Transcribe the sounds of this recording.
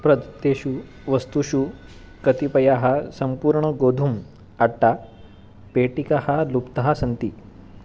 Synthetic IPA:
pɾəd̪t̪ːeɕu | ʋəst̪uɕu | kət̪ipɐjaɦasəmpuːɾɳəɡod̪ʱum | aʈːa | peʈikahalupt̪ɐɦasənt̪i

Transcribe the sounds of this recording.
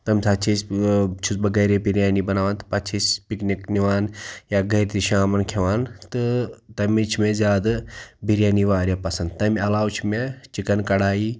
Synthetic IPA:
t̪ɐmʲsʰaːt͡ʃʰisʲt͡ʃʰusbɐɡɐɾebiɾʲjaːnibɐnaːʋaːnt̪ɨ̥pɐt͡ʃʰisʲpiknikniʋaːnjaːɡʱɐɾʲt̪iʃaːmɐnkʰeʋaːnt̪ɨt̪ɐmit͡ʃʰmezʲaːd̪ɨbʱiɾjaːniʋaːɾʲjɐpɐsɐnd̪̚t̪ɐmɐlaːwt͡ʃʰmet͡ʃikɐnkɐɽaːiː

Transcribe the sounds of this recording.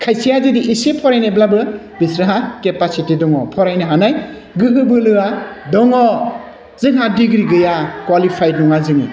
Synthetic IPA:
kʰajsijazidiisepʰɔɾajneblabɯ | bisɾaɦakepasitidɔŋɔpʰɔɾajnɯɦanaj | ɡɯɦɯbɯlɯadɔŋɔ | zɯŋɦadiɡɾiɡɯjakwalipʰajnɔŋazɯŋḭ

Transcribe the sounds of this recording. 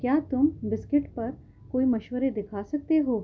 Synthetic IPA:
kjaːt̪ʊmbɪskɪʈpɐɾ | koːimɐʃʋəɾed̪ɪkʰaːsɐk̚t̪eɦoː

